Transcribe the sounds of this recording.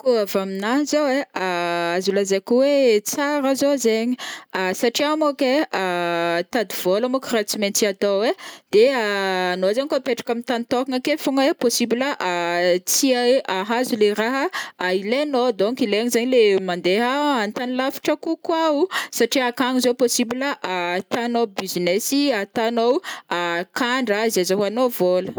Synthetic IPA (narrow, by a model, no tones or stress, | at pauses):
kuavaminaɦzoweaazulazekuwet͡saɾazozeɲiasaʈ͡ʂiamokeat̪ad̪iv̥olamokrat͡siment̪iat̪oed̪̥eaːnoazaɲikuapeʈ͡ʂḁkamint̪anit̪ɔkaŋəkefuŋweposibiləʔat͡siaaɦazuleraɦəailenod̪oŋkileaɲizaɲilemand̪eɦaant̪anilafi̥ʈ͡ʂəkukwausaʈ͡ʂiakaŋizowposibiləʔat̪anobizinesiat̪anowakaɳɖ͡ʐaizezoɦanovolə